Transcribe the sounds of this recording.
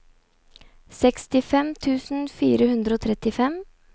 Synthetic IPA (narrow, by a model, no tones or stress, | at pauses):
sɛkst̪ɪfɛmt̪ʰʉːsn̩fiːɾəhʉnd̪ɾəoːt̪ʰɾɛt̪ɪfɛm